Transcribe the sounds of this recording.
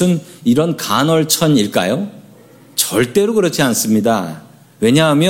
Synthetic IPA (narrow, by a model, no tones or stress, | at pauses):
ɯniɾʌnkanʌɭt͡ɕʰʌniɭk͈a̰jo | t͡ɕʌɭt͈e̞ɾokɯɾʌt͡ɕʰians͈ɯmɲida | we̞ɲaɦamjʌ